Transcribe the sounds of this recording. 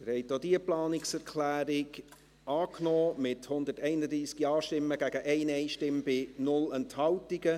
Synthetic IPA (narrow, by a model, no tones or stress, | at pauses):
əɾhɛɪtodiːəplɑːnɪksɛɾkʰlæːɾɪɡ | ɑːknɔːmɪthʊnd̪ətɛɪnəd̪ɾiːskiɑːʃtɪmːəɡæɡ̥əʔɛɪnɛɪʃtɪmb̥ɪnʊlɛnthɑwtiɡə